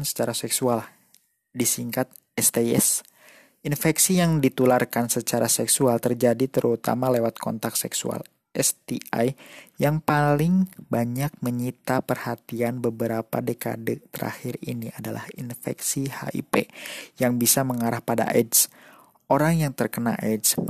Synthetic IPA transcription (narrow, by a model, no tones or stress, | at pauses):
nsə̥t͡ʃaɾasɛksual | disiŋkat̪̚ | ɛst̪eɛ̰s | infɛksijaŋdit̪ularkansət͡ʃaɾasɛksualt̪ərd͡ʒadit̪əɾut̪a̰malewat̪̚kʰɔ̰nt̪ak̚sɛksṵa̰l | ɛst̪iajjaŋpalɪŋbaɲak̚məɲit̪apərhat̪ianbəbəɾapa̰deka̰dɛt̪əɾa̰hiriniadala̰hinfɛ̰ksiha̰ʔḭpḛjaŋbisaməŋaɾahpada̰ʔɛds | ʔoɾaŋjaŋt̪ərkəna̰ʔɛds